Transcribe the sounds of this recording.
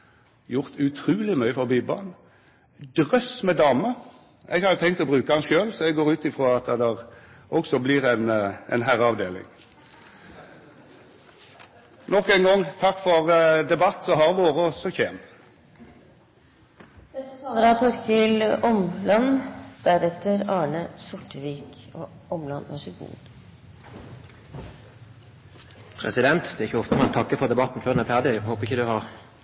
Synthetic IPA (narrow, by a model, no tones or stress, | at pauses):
jʊʁt̪ʰʉt̪ʰɾʉːlɪmœʏəfɔʁbibɑ̰n | d̪ʁœsmɛd̪ɑːmə | ʔɛ̰ɡhɑd̪ət̪ʰɛŋkt̪ɔbʁʉːkəhɑnʃøːlsɔɛɡɡoːʁʉːt̪ɪfʁoːɑt̪əd̪æʁ | ʔɔksɔblɪʁɛnɛ̰nɦæʁəɑʋd̪eːlɪ̰ŋ | nɔkːɛɪnɡɔŋt̪ʰɑkːfɔʁd̪ɛbɑt̪ːsɔɦɑɾʋoːʁəɔsɔçeːm | ləɾɑt̪ɔɾkɪlɔmlɑnd̪̥æɾɛt̪əɾɑːɳəsʊʈːəʋiːkoː | ʔɔmlɑnæ̰ʂɪɡ̪ṵ | pʰʁɛ̰sɪd̪ɛnt̪d̪ɛːæʁɪçəɔft̪əmɛnt̪ʰɑkːəfɔʁd̪ɛbɑt̪n̩føːd̪næʁfæʁd̪ɪæɡɦoːpəʁɪçəd̪ʉhɑʁ